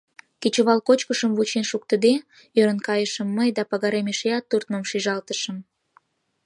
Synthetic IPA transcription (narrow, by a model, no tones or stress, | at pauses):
kit͡ɕoβɑlkot͡ɕkəʃəmβut͡ɕenʃuk̚t̪əd̪e | øɾə̆nkɑjəʃəmːəjd̪ɑpɑɣɑɾemeʃejɑt̪ːurt̪̚məmʃiʒɑlt̪əʃəm